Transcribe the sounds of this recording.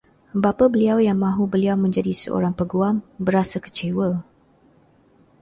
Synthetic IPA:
bapabəliawjaŋmãɦubəliawmə̃ɲd͡ʒadisə̰ʔo̰ɾaŋpəɡuambəɾasakə̥t͡ʃewə

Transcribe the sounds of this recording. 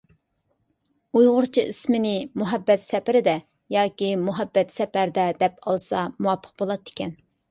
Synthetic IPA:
ujʁʊɾt͡ʃʰiḭsmɪnɪmuɦɛbːɛt̪sɛpɪɾɪd̪ɛ | jɑːkʲimuɦɛbːɛt̪sɛpæɾd̪ɛd̪ɛpʰɑlˠsɑmuwɑpʰːə̥qbolˠɑt̪ːɪ̥kʲɛn

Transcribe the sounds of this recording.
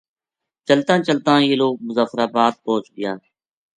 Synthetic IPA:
t͡ʃəlt̪ãːt͡ʃəlt̪ãːiːloːk̚mʊzaːfɾaːbaːd̪̚poːt͡ʃɡɪjãː

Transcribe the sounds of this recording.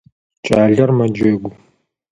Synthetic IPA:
t͡ʃʼaːɮɐrmɐd͡ʒɐɡʷʊ

